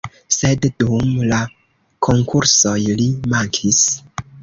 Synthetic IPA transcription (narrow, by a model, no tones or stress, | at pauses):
se̞ddumla | kʰo̞ŋkʰuɾso̞jlimaŋkʰis